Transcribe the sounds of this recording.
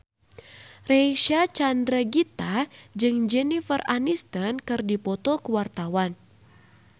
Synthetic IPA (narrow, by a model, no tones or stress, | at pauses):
reiʃat͡ʃandɾəɡit̪ad͡ʒɨŋd͡ʒɛnifəranist̪ənkɨrdipɔt̪ɔkuwart̪awan